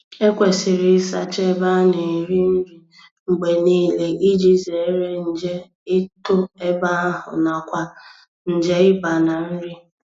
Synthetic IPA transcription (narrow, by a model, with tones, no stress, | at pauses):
e˦kʷe˨sɪ˨ɾɪ˨˦sa̰˨t͡ʃe˦ba˦ne˨ɾi˦n̩˦ɾi˨ | ŋ͡m̩˨ɡ͡be˨niː˦le˨ʔi˦d͡ʒi˦ze˨˦ɾe˦n̩˨d͡ʒe˦ | ɪ˦tʊ˦e˦ba˦a˦ɦʊ̰˨na˨kʷa˦ | n̩˨d͡ʒe˦ɪ˦ba˨na˨n̩˦ɾi˦